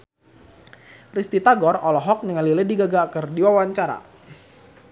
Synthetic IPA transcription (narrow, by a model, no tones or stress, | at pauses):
rist̪it̪aɡɔrɔlɔɦɔk̚niŋalilədiɡaɡaːkərdiwawaɲt͡ʃaɾa̰